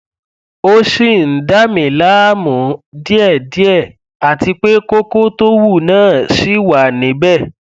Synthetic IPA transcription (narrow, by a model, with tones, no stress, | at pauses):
o˦ʃi˦˨n̩˨da˦mĩ˨la˦mɔ̃˨˦di˦ɛ˦˨di˦ɛ˦˨ | a˨ti˧k͡pe˦ko˦ko˦to˦wu˦˨nãː˦˨ʃi˦wa˨nĩ˨˦bɛ˦˨